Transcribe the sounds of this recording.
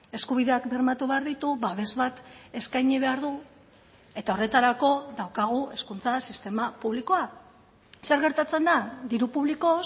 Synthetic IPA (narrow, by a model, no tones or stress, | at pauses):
e̞skuβiðe̞akde̞ɾmat̪uβe̞aɾðit̪uβaβ̞e̞zβat̪e̞skajɲiβe̞aɾðu | e̞t̪ao̞re̞t̪aɾako̞ðawkaɣ̞ue̞skunt͡sasist̪e̞mapuβliko̞a | se̞ɾɣe̞ɾt̪at͡se̞nd̪ad̪iɾupuβliko̞